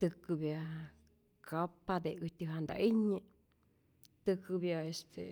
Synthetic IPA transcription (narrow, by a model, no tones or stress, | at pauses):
t̪ɨkɨbja | kʰapad̪eɨt̪ʲɨɦand̪a̰ʔiɲə | t̪ɨkɨbjaest̪ʰḛ